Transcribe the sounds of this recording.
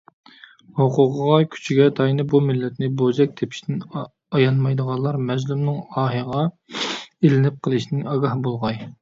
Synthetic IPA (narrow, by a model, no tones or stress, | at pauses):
hoqʊqəʁɑkʲʰy̥t͡ʃʰiɡʲɛt̪ʰɑjnɨbumɪlːɛt̪nɪbozɛk̚ʲt̪ʰepʰi̥ʃt̪ɪn | ɑjɑnmɑjd̪əʁɑlˠɑɾmɛzlumnɪŋɑːɦɨʁɑ | elɪnɪp̚qʰəlˠɨʃnɪŋɑɡɑhbolˠʁɑj